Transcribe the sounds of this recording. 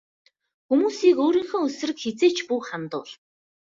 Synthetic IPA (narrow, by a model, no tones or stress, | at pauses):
xumuːsiːkoːɾiːŋxɘ̆ːɵsɘ̆rɘ̆kxet͡seːt͡ɕpuːχant̪ʊ̰ːɮ